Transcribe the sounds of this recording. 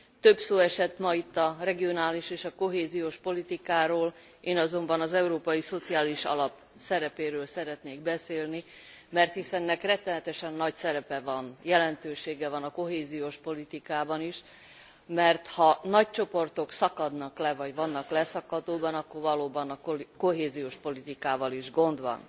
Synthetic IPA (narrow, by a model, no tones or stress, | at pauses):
t̪ø̞bsoːɛʃɛt̪ːmɒit̪ːɒrɛɡio̞naːliʃeːʃɒko̞ɦeːzijoːʃpo̞lit̪ikaːɾoːl | ʔeːnɒzo̞mbɒnɒzɛuɾoːpɒjiso̞t̪siaːliʃɒ̰lɒp | sɛɾɛpeːɾøːlsɛɾɛt̪neːɡ̚bɛseːlni | mɛrt̪hisɛnːɛkrɛt̪ːɛnɛt̪ɛʃɛnːɒcsɛɾɛpɛvɒnjɛlɛnt̪øːʃeːɡɛvɒnɒko̞ɦeːzijoːʃpo̞lit̪ikaːbɒniʃ | mɛrt̪hɒnɒc̚t͡ʃo̞po̞rt̪o̞ksɒkɒd̪nɒklɛvɒɟvɒnːɒklɛsɒkːɒt̪oːbɒnɒkːorvɒloːbɒnɒkoɦeːzijoːʃpo̞lit̪ikaːvɒliʒɡo̞nd̪ʋɒ̰n